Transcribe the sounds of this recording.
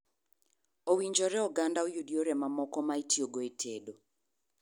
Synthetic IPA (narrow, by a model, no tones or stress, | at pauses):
owiɲd͡ʒɔɾɛɔɡandaojudioɾɛmamɔkɔmaitjoɡoetʰedo